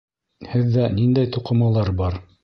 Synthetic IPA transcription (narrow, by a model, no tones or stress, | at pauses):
hɘðːænind̪æjt̪uqɤ̆mɑlˠɑɾbɑɾ